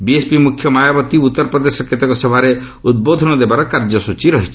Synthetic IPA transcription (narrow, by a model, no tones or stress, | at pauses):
biespimukʰjɔmajabɔt̪iut̪ːɔɾɔpɾɔd̪esɔket̪ɔkɔsɔbʱaɾe | ud̪̚bod̪ʱɔñɔd̪ebaɾɔkaɾd͡ʒɔsut͡ʃiɾɔɦit͡ʃʰi̥